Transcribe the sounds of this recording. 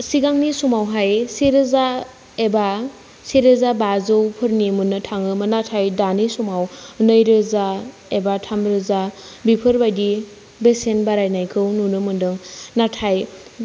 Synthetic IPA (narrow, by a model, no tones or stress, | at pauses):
siɡaŋnisumawɦajseɾɯza | eba | seɾɯzabazɯwpʰɯɾnimunːɯtʰaŋɯmɯnatʰajdanisumawnɯjɾɯza | ebatʰamɾɯza | bipʰɯɾbajdi | besenbaɾajnajkʰɯwnunɯmɯndɯŋnatʰaj